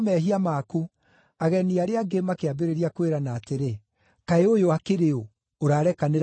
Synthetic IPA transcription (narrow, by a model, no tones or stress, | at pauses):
mɛɦiamaku | aɣɛniaɾeaɡemakeabeɾeɾiakweɾanaːteɾe | kaeojoakeɾeo | oɾaːɾɛkaneɾ